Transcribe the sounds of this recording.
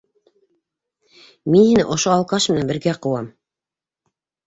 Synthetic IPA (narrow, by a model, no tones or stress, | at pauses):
minhinɘʔŏʃoɑlˠqɑʃmɘ̆nænbɘ̆ɾɡæqɤ̆wɑm